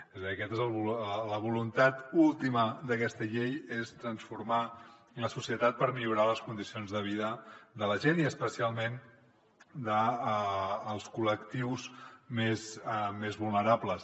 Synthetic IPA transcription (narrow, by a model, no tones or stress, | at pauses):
ezəðiəkɛt̪ezəlˠβuləβ̞ulunt̪at̪ulˠt̪iməd̪əkɛst̪əʎejest̪ɾənsfuɾma | ləsusiət̪at̪̚pəɾmiʎuɾaləskund̪isionzðəβ̞iðəd̪ələʒeniəspəsialˠmen | d̪əː | lˠskuləkt̪iwzmesmezβulˠnəɾapləs